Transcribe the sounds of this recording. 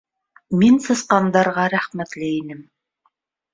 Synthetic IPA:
minsɤ̆sqɑnd̪ɑɾʁɑɾæχmæt̪lɘinɘm

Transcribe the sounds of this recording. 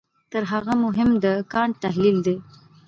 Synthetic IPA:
t̪əɾɦaɣamʊɦɪmd̪əkɑɳt̪aɦlild̪e

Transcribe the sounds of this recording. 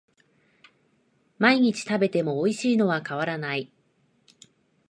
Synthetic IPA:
maiɲ̟it͡ɕi̥t̪abe̞t̪e̞mo̞ːiɕiːno̞βakaβ̞aɾanai

